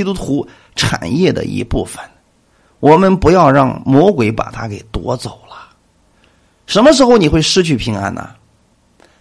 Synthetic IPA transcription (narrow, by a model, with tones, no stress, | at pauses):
i˥t̪u˥t̪ʰu˧˥ | ʈ͡ʂʰa̰˨˩njɛ˥˩d̪ə̰˨˩ʔḭ˧˥pu˥˩fə̥˨˩n | wʔɔ˨˩mə˧npu˧˥jɑ˥˧ʊɻɑ˥˩ŋmwɔ˧˥kwe˧˥ɪpa̰˨˩t̪ʰa˥ke˨˩ɪt̪wɔ˧˥t͡so˨˩ʊlə˦ | ʂə˧˥nmə˧ʂ̬ɻ̩˧˥xo˧˩ʊni˨˩xwe˥˩ɪʂɻ̩˥t͡ɕʰy˥˩pʰi˧˥ŋa̰˥nʔə̰˨